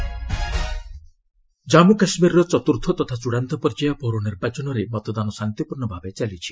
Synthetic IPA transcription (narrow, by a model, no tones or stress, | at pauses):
d͡ʒamukasmiɾɾɔt͡ʃɔt̪uɾt̪ʰɔt̪ɔt̪ʰat͡ʃuɽant̪ɔpɔɾd͡ʒajɔpɔɾɔniɾbat͡ʃɔnɔɾemɔt̪ɔd̪anɔsant̪ipuɾɳɔbʱabet͡ʃalit͡ʃʰi̥